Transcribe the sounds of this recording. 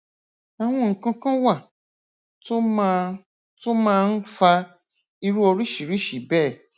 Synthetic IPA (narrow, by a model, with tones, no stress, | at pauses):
a˨w̃ɔ̃˧ŋ̩˨kã˧kã˦wa˦˨ | to˦ | to˦mãː˦n̩˦fa˧ | i˧ɾu˦o˧ɾi˦ʃi˨ɾi˦ʃi˨bɛː˦˨